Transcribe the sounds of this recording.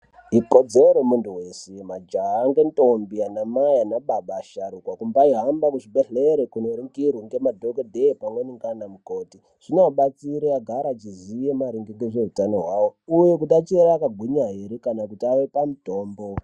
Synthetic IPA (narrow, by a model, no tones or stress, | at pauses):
ikod͡zeɾemuntuwe̞semad͡ʒaɦaːŋɡe̞ntombianamajanaɓaɓaːʃaɾukwakumbaiɦambakuʐibeɬeɾekunoɾiŋɡirwiŋɡe̞madʱokodʱeepamweniŋɡanamuko̞ːti | ʐ̥inoaɓat͡siɾejaɡʱaɾat͡ʃizijemaɾiŋɡiŋɡeʐe̞ɦutano̞ɦwawoujek̬utat͡ʃieɾaːkaɡʱwiɲaɦiɾekanakutiaʋe̞pamuto̞ːmbo̞